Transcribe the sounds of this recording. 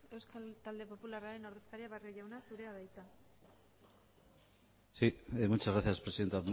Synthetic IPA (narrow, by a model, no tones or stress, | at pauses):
e̞wskalt̪ald̪e̞po̞pularaɾe̞no̞ɾðe̞skaɾiaβarioʝawnasuɾe̞aβajt̪a | simut͡ʃazɣɾaθjaspɾesiðe̞nt̪a